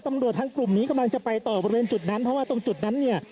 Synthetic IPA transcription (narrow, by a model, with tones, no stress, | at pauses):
t̪a˧mɾu˨˩t̪ʰːaː˧ŋklu˨˩mniː˦˥ka˧mla˧ŋt͡ɕa˨˩pa˧jt̪ɔː˨˩bɔ˧ɾi˧weː˧nt͡ɕu˨˩t̪̚na˦˥npʰɔ˦˥waː˥˩t̪o˧ŋt͡ɕu˨˩t̪̚na˦˥nːi˥˩ɐ